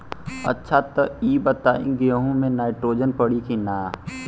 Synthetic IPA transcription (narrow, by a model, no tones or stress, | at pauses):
ɐ̰tːʃʰat̪əɾiːbət̪aːḭ̃ɡɪjəɦũmẽnaːɪʈɾoːd͡ʒənpəɽikinaː